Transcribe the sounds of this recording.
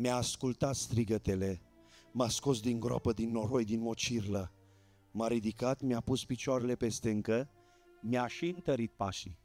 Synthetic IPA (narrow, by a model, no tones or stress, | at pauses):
mjaːskult̪at̪st̪ɾiɡət̪e̞le̞ | masko̞sd̪iŋɡɾa̰pəd̪inːoɾojd̪ino̞t͡ʃirlə | maɾid̪ikat̪meapuspit͡ʃoaɾe̞le̞pe̞st̪e̞ɨŋkə | mjaʃiɨnt̪əɾit̪̚pa̰ʃi